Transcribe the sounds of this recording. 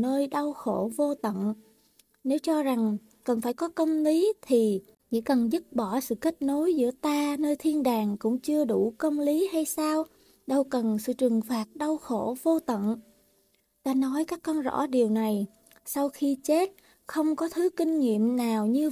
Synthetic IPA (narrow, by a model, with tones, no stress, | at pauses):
nəː˧jɗa˧wxo˧˩˨vo˧t̪ə̰˧˨n | ne˨˦wt͡ɕɔ˧za˨˩ŋ | kə˨˩nfaː˧˩jkɔ˨˦kə˧wŋ͡mli˨˦t̪ʰi˨˩ | t͡ɕḭ˧˥kə˨˩nzɨ˦˥t̚ɓɔ˧˩sɨ̰˧˨ka˦˥k̚no˨˦jzɨ̰˧˥ət̪aː˧nəː˧jt̪ʰi˧ənɗaː˨˩ŋkʊ̰˧˥ŋ͡mt͡ɕɨ˧əɗu˧˩kə˧wŋ͡mli˨˦ha˧jsaː˧w | ɗə˧wkə˨˩nsɨ̰˧˨t͡ɕɨ˨˩əŋfaː˨˩t̚ɗa˧wxo̰˧˩vo˧t̪ə̰˧˨n | t̪aː˧nɔ˨˦jkaː˦˥kːɔ˧nzɔ̰˧˥ɗi˨˩əwna˨˩j | sa˧wxi˧t͡ɕe˦˥t̚ | xə˧wŋ͡mkɔ˨˦t̪ʰɨ˨˦kï˧ŋ̟ŋḭ˧˨əmnaː˨˩wɲɨ˧